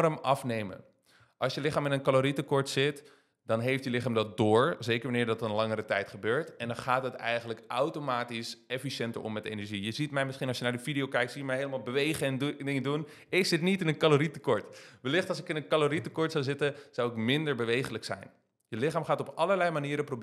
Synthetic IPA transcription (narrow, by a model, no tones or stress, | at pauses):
rəmɑfnejmə̰n | ʔɑlˠsjəlɪχaːmɪnənkaloɾitəkɔɹtsɪt | dɑnɦejftjəlɪχaːmdɑt̚dʊːɹzejkəɹʋanɪːɹdɑtənlɑŋəɾətɛjtχəbøːɹtɛndɑnχaːtɦətɛ̰jχənləkawtomaːtisɛfiʃɛntə̰ɹʔɔ̰mːɛtḛjnɛɹʒijəzitmɛjmɪsχinɑsjənaːɹdəfidiowkɛjktsimɛjɦeɪjləmaːlˠbəʋejχəɛndɪŋədun | ɪksɪtnitɪnənkaloɾitəkɔɹtʋəlɪχtɑls̬ɪkɪnənkaloɾitəkɔɹtsawzɪtəz̥awɪkmɪndəɹbəʋejχələksɛ̰jn | jəlɪχaːmχaːtɔpɑləɹlɛjmaniːɾəprob